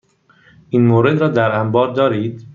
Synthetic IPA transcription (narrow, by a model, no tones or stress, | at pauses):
ʔiːnmoːɾed̪ɾɒːd̪æɾæmbɒːɾd̪ɒːɾiːd̪